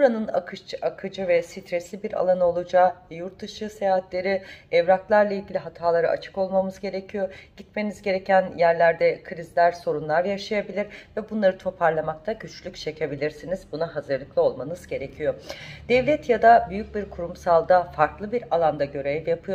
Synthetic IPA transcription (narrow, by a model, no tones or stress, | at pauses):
buɾanɯna̰kʰɯʃt͡ʃʰɯakʰɯd͡ʒɯvɛsit̪ʰɾɛslʲibiɾa̰lˠanɯo̞lˠud͡ʒaːvɛjuɾt̪̚ːɯʃɯsejaːɦat̪lʲe̞ɾiɛvɾaklˠaɾlˠailʲɟilʲiɦat̪ʰaːlˠaɾɯʔa̰t͡ʃʰɯ̥ko̞lˠmamɯzɟe̞ɾecʰijo̞ɟ̥it̪me̞nizɟe̞ɾecʰænjæɾlʲæɾd̪ɛkʰɯɾizlʲæɾso̞ɾunlˠaɾjaʃajabilʲiɾvɛbunlˠaɾɯt̪ʰo̞pʰaɾlˠamak̚t̪ʰaɟyt͡ʃlʲyct͡ʃʰe̞cʰe̞bilʲiɾsinizbunaɦazɯɾlˠɯklˠɯo̞lˠmanɯzɟe̞ɾecʰijo̞d̪̥ɛvlʲɛt̪jad̪abyjyc̚biɾkʰuɾumsalˠd̪afaɾklˠɯbiɾalˠand̪aɟø̞ɾevjapʰɯjo